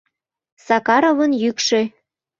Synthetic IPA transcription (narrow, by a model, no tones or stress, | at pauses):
sɑkɑɾovənjykʃe